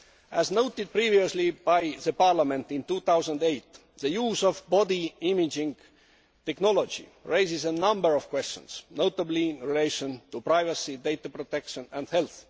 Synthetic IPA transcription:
ʔæznoʊt̪id̪̚pɹiːvioslibajðəpɑɹlamẽnt̪ĩnt̪uːθawsə̃nd̪ejt̪ | ðəjuːsovbɔd̪iimid͡ʒĩŋɡ | t̪eknolod͡ʒḭɹejsisənʌ̃mbəɹɔv̥kwest͡ʃə̰̃nsnoʊt̪əbliĩnɹileɪʃõnt̪upɹaɪvəsid̪ejt̪apɹot̪ekʃə̃næ̃nd̥helθ

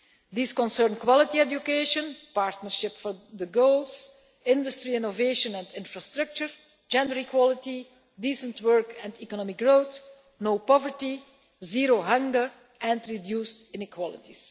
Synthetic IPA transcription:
d̪iːskɔ̃nsɜːɹnkwɔlɪtiɛd͡ʒjukeʃə̃npaːɹtnəɹʃɪpfɔɹd̪əɡoʊlˠs | ɪ̃ndʊstɹiɪnoveːʃə̃nɛ̃ntɪ̃nfɹastɹʌk̚t͡ʃəɹ | d͡ʒɛ̃ndəɹikwɔlɪti | diːsə̃ntwɜɹkɛ̃ntikɔnɔmɪk̚ɡɹoːt | noʊpɔvəɹti | ziːɹoɦʌ̃ŋɡəɹ | ʔɛ̃ntɹidjuːstɪnɪkwɔlɪ̰tis

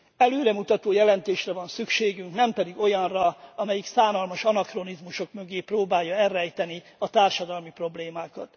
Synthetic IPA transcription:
ɛløːɾɛmut̪ɒt̪oːjɛlɛnt̪eːʃrɛvɒnsykʃeːɡyŋknɛmpɛd̪iɡo̞jɒnrɒɒmɛjiksaːnɒlmɒʃɒnɒkronizmuʃo̞kmø̞ɡeːproːbaːjːɒɛrːɛːjt̪ɛni | ɒt̪aːrʃɒd̪ɒlmipro̞bleːmaːkɒ̰t̪

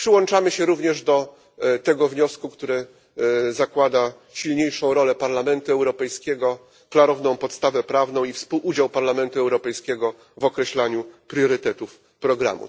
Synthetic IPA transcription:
pʂɘwɔnt͡ʂamɘɕɛɾuvɲɛʐd̪ɔ | t̪ɛɡɔvɲɔskukt̪uɾɘ | zakwad̪a | ɕilɲejʂɔ̃w̃ɾɔlɛpaɾlamɛnt̪uɛwɾɔpɛjskʲɛɡɔ | klaɾɔvnɔ̃w̃pɔt̪st̪avɛpɾavnɔ̃w̃ifspuwʔud͡ʑawpaɾlamɛnt̪uɛwɾɔpɛjskʲɛɡɔ | vɔkɾɛɕlaɲupɾjɔɾɘt̪ɛt̪uf | pɾɔɡɾa̰mṵ

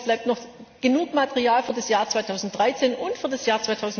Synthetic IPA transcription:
b̥laɪp̚tnɔχɡ̥ənuːkmatəʁiaːlfyːɐdasjaːɐt͡svaɪtʰaʊzn̩t̚d̥ʁaɪt͡seːnʊntfyːɐdasjaːɐt͡sv̥aɪtʰaʊzn̩

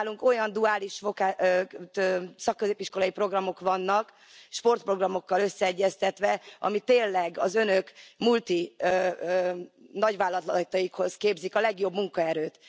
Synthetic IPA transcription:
luŋko̞jɒnd̪uaːliʃfokaː | sɒkːøzeːpiʃko̞lɒjipro̞ɡrɒmo̞kʋɒnːɒk | ʃpo̞rt̪pro̞ɡrɒmo̞kːɒlø̞sːɛɛɟːɛst̪ɛt̪ʋɛɒ̰mit̪eːnlɛɡɒzønø̞kmult̪i | nɒɟʋaːlːɒt̪lt̪ɒjikho̞zkeːbzikɒlɛɡjo̞bmuŋkɒɛɾøːt̪

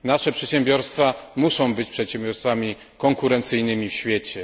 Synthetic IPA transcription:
naʂɛpʂɛt̪ɕɛmbʲjɔɾst̪famuʂɔ̃w̃bɘt͡ɕpʂɛt̪ɕɛ̃mbʲjɔɾst̪famʲi | kɔŋkuɾɛnt̪sɘjnɘmʲifɕfʲjɛt͡ɕɛ

